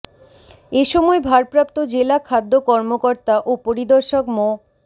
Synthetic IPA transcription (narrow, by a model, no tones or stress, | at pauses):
eʃɔmɔebʱaɾpɾapt̪od͡ʑelakʰad̪ːokɔɾmokoɾt̪aʔopoɾid̪ɔɾʃokmo